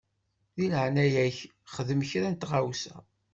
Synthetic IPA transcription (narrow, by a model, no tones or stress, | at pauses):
ðiləʕnæjæç | χəðəmçɾænt̪ʁawsæ̰